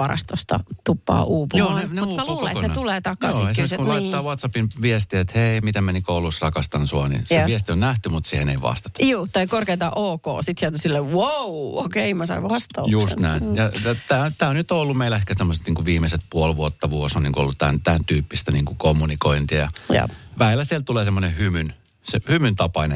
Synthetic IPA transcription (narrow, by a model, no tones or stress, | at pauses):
ʋɑrɑ̰st̪ost̪ɑ̰t̪upːɑ̰ːʔuːpujoːneneuːlokonent̪uleːt̪ɑkɑosiekːsekunot̪ːɑːʋɑt̪sɑpinʋiest̪iet̪heimit̪æmenikoulusrɑkɑst̪ɑnsuɑnḭseiest̪ionnæht̪ymut̪siːhenḛiʋɑ̰st̪e̥t̪ɑ̥juːt̪ɑikorkeit̪ɑʔoːko̰ːsit̪hiæt̪usilːewowokeimɑsɑ̰iʋɑst̪ɑjust̪næinjɑjɑt̪æːnt̪æːonyt̪oolːummeilæehkæt̪emːoset̪niːŋkuʋiːmeset̪̚puolʋuot̪ːɑʋuosonnḭŋkuo̰lːut̪t̪æ̰nt̪ænt̪yːpːist̪æniːŋkukomːunikoint̪ijɑ̰j̰ʋæilːæsielt̪uleːsemːonehymyn | sehymynt̪ɑpɑinḛ